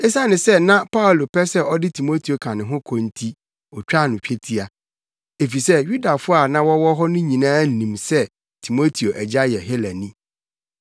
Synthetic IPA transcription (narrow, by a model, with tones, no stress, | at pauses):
ɛ˦sa˦nɪ̃˨sɛ˦nã˦pʰa˦ʊ˨lo˨pʰɛ˦sɛ˦ɔ˦dɪ˦tʰi˨mo˦tʰi˨o˨kʰã˨nɪ̃˨ɦʊ̃˦kʰɔ̃˨n˦tʰi˦ | ɔ˨t͡ɕᶣa˦˨nʊ̃˨t͡ɕᶣe˦tʰi˦a˨ | e˨fi˨sɛ˦ju˦da˨fʊ˦a˨nã˦wɔ˦wɔ˦ɦɔ˦nʊ̃˦ɲĩ˨nãː˦n̩˨nĩ˨msɛ˦ | tʰi˨mo˦tʰi˨o˨ʔɛ˨d͡ʑa˦jɛ˨ɦɛ˦læ˨nĩ˦